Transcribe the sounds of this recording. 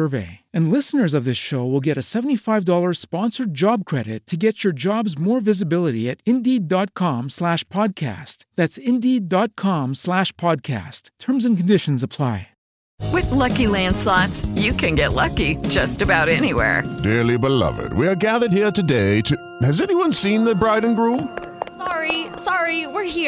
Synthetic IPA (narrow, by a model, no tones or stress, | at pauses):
ə˞vḛɪɨ̃nlɪsnə˞zʌvðɪsʃoʊwəlˠɡɛɾɨsɛvn̩tifaɪvdɔlˠə˞spɑ̃nsə˞d͡ʒɑb̚kʰɹ̥ɛɾɨ̰ttʰːɨɡɛt͡ʃə˞d͡ʒɑbzmɔɹvɪzɨbɪlˠəɾiɨɾɪ̃ndidɑt̚kʰɑ̃mslæʃpʰɑd̚kʰæ̰stðætsɪ̃ndidɑt̚kʰɑ̃mslæʃpʰɑd̚kʰæ̰stʰɜ̃˞mzɨ̃nkn̩dɪʃn̩zəpʰl̥aɪ | wɪðlʌkilæ̃nd̥slɑtsjɨkʰɨ̃nɡɛʔˡlʌkid͡ʒʌstɨbaʊɾɛñiwɛ̰ɹdɪɹlibəlʌ̰vɨ̰d̚wiə˞ɡæðə˞d̚hiɹtɨdeɪtʰɨ | hɨzɛniwʌ̃nsĩnðɨbɹaɪdⁿn̩ɡɹũm | sɑɹisɑɹiwɪɹhi